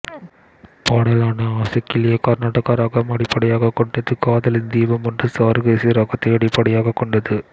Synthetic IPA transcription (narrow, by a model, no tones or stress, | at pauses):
paːɽɐlaːnɐaːsɐkːɪlɪjɐkɐɾnaːʈːɐkːaːɾaːɣɐmɐɽɪpːɐɽɐjaːɣɐkːɔɳɖɐðɯkaːðɐlɪnd̪iːʋɐmɔndrɯsaːɾɣeːsiɾɐɣɐt̪ːɐɐɽɪpːɐɽɐjaːɣɐkːɔɳɖɐðɯ